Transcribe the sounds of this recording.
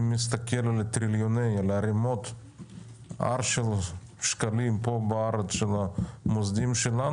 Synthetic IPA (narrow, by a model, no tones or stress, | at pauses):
mist̪akellet̪ɾiljonejaleaɾimo̞t̪ | a̰ɾʃel | ʃkalimpo̞beaɾet͡sʃelamozd̪imʃela